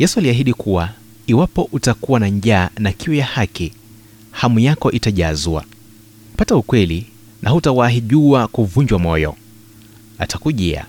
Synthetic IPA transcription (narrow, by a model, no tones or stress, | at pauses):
jɛsualiaɦiɗikuwa | iwapɔʔutakuwanaɲʄaːnakiwɛjahaki | hamujakɔʔitaʄazua̰ | pataukwɛli | nʔaɦutawaɦiʄuakuvuɲd͡ʒwamɔjɔ̰ | atakuʄɛa̰